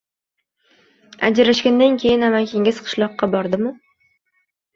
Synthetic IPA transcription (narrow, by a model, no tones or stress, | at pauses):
a̰d͡ʒɾaʃkʲand̪ankʲʰe̞jɪnamakʲʰeŋʲɪzqʰɨ̥ʃlˠɒqːɑbɒɾd̪ɪmʊ